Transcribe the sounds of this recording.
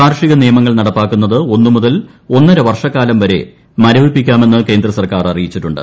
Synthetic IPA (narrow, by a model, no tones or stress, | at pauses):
aːɾʂiɣɐnijɐmɐŋːɐɭnɐɽɐpːaːkːunːɐðɨo̞nːumuðɐl | o̞nːɐɾɐʋɐrʂɐkːaːlɐmʋɐɾe̞̰ | mɐɾɐʋipːikʲːaːme̞nːɨke̞ːnd̪rɐsɐrkaːrɐrijit͡ɕːiʈːuɳɖɨ̰